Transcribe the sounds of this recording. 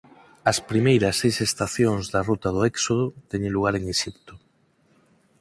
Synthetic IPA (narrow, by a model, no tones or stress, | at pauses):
ɐspɾimejɾɐsːejsest̪aθjoŋzðɐrut̪ɐð̞ʊɛksoð̞ʊt̪ɛɲeluɣ̞aɾeŋeʃipt̪ʊ̥